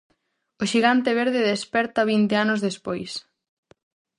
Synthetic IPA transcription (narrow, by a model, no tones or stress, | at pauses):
ʊʃiɣant̪eβ̞eɾðeðespɛɾt̪aβint̪eanozðespojs